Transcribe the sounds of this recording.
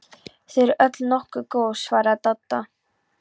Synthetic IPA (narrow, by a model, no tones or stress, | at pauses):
θɛɾɪɾœt̪lnɔhkʏkoːwsvaːɾat̪at̪ːa